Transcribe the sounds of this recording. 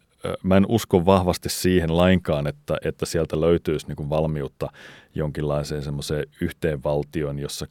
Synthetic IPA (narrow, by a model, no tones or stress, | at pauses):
mæenuskoʋʋɑhʋɑst̪issiːhenlɑiŋkɑːnet̪ːæ̰ʔet̪ːæsiælt̪æløyt̪yːsniːŋkuʋʋɑlmiut̪ːɑjoŋkilːɑiseːnsemːoseːyht̪eːʋʋɑlt̪ioinjosːɑ